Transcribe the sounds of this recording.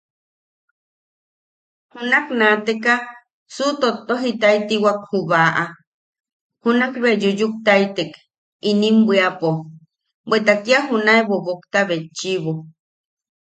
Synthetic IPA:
hunaknat̪eka | sut̪ot̪ːoɦit̪ait̪iwak̚huβaʔa | hunakβed͡ʒujuk̚t̪ait̪ek | inimbwiapo | bwet̪akiaɦunaeβoβokt̪aβet͡ʃːiβo

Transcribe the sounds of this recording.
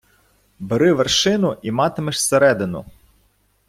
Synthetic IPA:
bɪɾɪʋerʃɪnʊʔimɑt̪emeʃseɾɛd̪ɪnʊ̰

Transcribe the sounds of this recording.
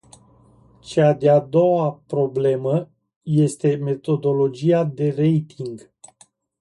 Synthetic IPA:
t͡ʃad̪ead̪o̞wapɾo̞ble̞mə | je̞st̪e̞me̞t̪o̞d̪o̞lo̞d͡ʒijad̪e̞re̞jt̪ʰiŋɡ

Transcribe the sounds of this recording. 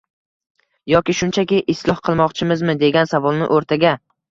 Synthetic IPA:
jɒkʲɪʃʊnt͡ʃʰakʲɪʔɪslˠɒhqʰɨlˠmɒqt͡ʃʰɪmɪzmɪd̪e̞ɡʲansavɒlˠnɪ̰ʔoɾt̪ʰaɡʲa

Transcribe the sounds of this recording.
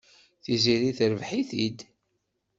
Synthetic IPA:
θiziɾiθɾəvħiθid̪

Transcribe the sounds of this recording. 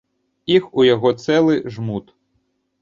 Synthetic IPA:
ixujɔɦɔt̪sɛlˠɪʒmut̪

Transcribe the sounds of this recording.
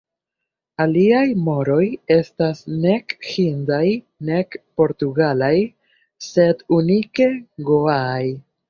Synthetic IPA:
aliajmo̞ɾo̞je̞stasne̞khindaj | ne̞kpo̞ɾtuɡalaj | se̞dunike̞ɡoaːj

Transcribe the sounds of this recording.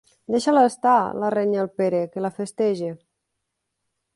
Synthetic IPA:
d̪eʃalast̪alareɲalˠpeɾekelafest̪ɛʒe

